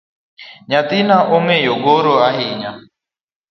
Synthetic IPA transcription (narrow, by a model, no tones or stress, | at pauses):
ɲãt̪inaʔomejoɡoɾoaɦiɲa